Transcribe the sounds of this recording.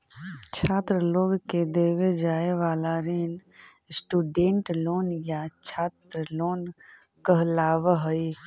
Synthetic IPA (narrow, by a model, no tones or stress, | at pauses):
t͡ʃʰaːt̪ɾəloːɡked̪eːʋed͡ʒaːeʋaːlaɾeːn | sʈuːɖẽːɳʈloːnjat͡ʃʰaːt̪ɾəloːn | kəɦlaːʋɦəi